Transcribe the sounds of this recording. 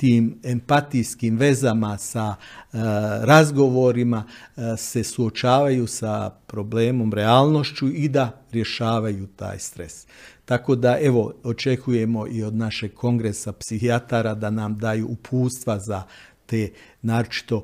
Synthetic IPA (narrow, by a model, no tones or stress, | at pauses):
t̪iːme̞mpat̪ijskimʋe̞zamasa | ɾazɡo̞ʋo̞ɾimase̞suo̞t͡ʃaːʋajusapɾo̞ble̞ːmo̞mɾe̞aːlˠno̞ʃt͡ɕuid̪aɾje̞ʃaːʋajut̪a̰ːjst̪ɾe̞̰st̪ako̞d̪aʔe̞ʋo̞ot͡ʃe̞kuje̞mo̞ʔio̞d̪naʃe̞ɡ̚kʰo̞ŋɡɾe̞sapsihiat̪aɾad̪anamd̪ajuːpʰuːst̪ʋazat̪eːnaːɾot͡ʃi̥t̪o̞